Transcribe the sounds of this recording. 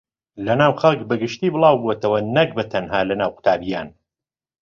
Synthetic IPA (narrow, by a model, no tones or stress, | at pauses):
lɐnaːwxɐlˠkbɐɡɨʃt̪iːbɨlˠɑːwbuɛt̪ɐwɐnɐk̚bɐt̪ʰɐnɦaːlɐnaːwkʊ̥t̪ʰaːbijaːn